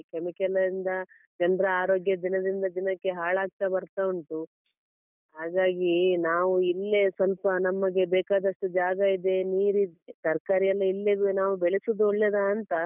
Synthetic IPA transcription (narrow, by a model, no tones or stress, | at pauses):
kemikɛlɐɾind̪ɐ | d͡ʒɐnɾɐaːɾo̞ːɡjɐd̪inɐd̪ind̪ɐd̪inɐkːe̞ɦaːɭaːk̚t̪ɐbɐɾt̪auɳʈu | ɦaːɡaːɡinaːʋuilːe̞sɐlpɐnɐmːɐɡe̞bɛːkaːd̪ɐʂʈud͡ʒaːɡɐid̪e̞niːɾit̪ɐɾkaːɾijɐlːɐilːeɡnaːʋubeɭisud̪uɔɭːɛd̪ɐːnt̪ɐ